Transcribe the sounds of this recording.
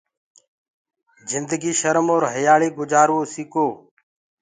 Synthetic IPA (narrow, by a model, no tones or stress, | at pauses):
zɪnd̪əɡiːʃəɾmoːɾɦəjaːɭiːɡʊd͡ʒaːɾʋoːsiːkoː